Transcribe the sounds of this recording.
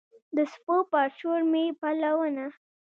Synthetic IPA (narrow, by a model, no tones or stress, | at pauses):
d̪əspopɑɾʃoɾmepalawəna